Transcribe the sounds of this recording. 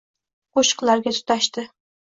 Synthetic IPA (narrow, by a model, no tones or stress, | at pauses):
qoʃɨ̥qlˠaɾɡʲat̪ʰʊ̥t̪aʃt̪ɪ